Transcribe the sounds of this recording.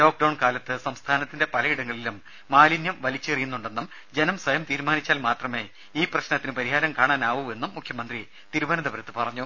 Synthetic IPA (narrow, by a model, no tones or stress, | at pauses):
loːk̚ɖɐwɳkaːlɐt̪ːɨsɐmst̪ʰaːnɐt̪ːinde̞pɐlɐiɽɐŋːɐɭilumː | aːlinjɐmʋɐlit͡ɕːɨɐrijunːuɳɖe̞nːum | d͡ʑenɐmswɐjɐmt̪iːɾmaːnit͡ɕːaːlmaːt̪rɐme̞ː | iːprɐɕnɐt̪ːinɨpɐɾiɦaːɾɐmkaːɳaːnaːʋue̞nːumːukʰjɐmɐnd̪ri | t̪iɾubɐnɐd̪ɐʋɐɾɐt̪ːɨpɐrɐɲːu